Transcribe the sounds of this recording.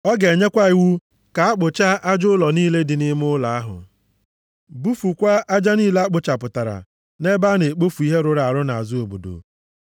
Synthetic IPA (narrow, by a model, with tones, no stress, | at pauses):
ɔ˦ɡe˨ɲe˦kʷa˦i˨wu˦ | ka˨a˦k͡pʊ˨t͡ʃa˦ʔa˦d͡ʒʊ˦lɔ˨niː˦le˦dɪ˨nɪ˦m˦ʊ˦la˨a˦ɦʊ̰˨ | bu˦fu˨kʷa˦ʔa˦d͡ʒa˦niː˦le˦a˦k͡pʊ˨t͡ʃa˨pʊ˨ta˨ɾa̰˨ | ne˦ba˦ne˨k͡po˦fu˨i˦ɦe˦ɾʊ˦ɾa˨a˨ɾʊ˦na˨a̰˨zʊ˦o˨bo̰˨do̰˨